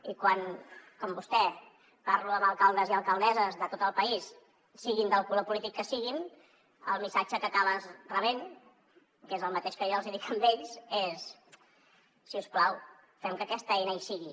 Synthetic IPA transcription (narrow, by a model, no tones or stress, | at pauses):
ikwankɔmbust̪ɛ | paɾluəməlˠkalˠd̪əziəlˠkəlˠd̪ɛzəzðət̪ot̪əlˠpəis | siɣind̪əlˠkulopulit̪ikːəsiɣin | əlˠmisad͡ʒəkəkaβəzrəβen | kezəlˠmət̪eʃkəjɔəlˠziðikəmbeʎses | siusklaw | fɛmkəkɛst̪əɛjnajsiɣi